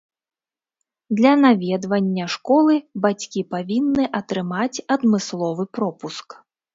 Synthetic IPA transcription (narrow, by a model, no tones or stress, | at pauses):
d̪lʲɐnavʲɛd̪vɐnʲːɐʂkɔlˠɨbat͡sʲkʲipavʲinːɨʔɐt̪ɾɨmat͡sʲɐd̪mɨslˠɔvɨpɾɔpusk